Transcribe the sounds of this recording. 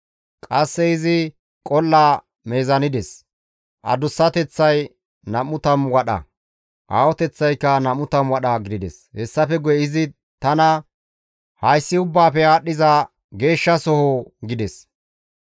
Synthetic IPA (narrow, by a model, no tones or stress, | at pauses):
kʼɐsːɛɪzɪ | kʼɔlːaː | me̞ːzɐnɪd̪ɛs | ʔɐ̰d̪ʊsːɐt̪ɛt͡sːɐj | nɐmʊt̪ɐmwɐɗɐ̰ | ʔaːwɔt̪ɛt͡sːɐjkːɐnɐmʊt̪ɐmwɐɗɐɡɪd̪ɪd̪ɛ̰shɛsːɐfɛɡʊjɛɪzɪ | t̪ɐnɐ | hɐjsːɪʊbːaːpɛaːɗːɪzɐ | ɡe̞ːʃːɐsɔhɔɡɪd̪ɛs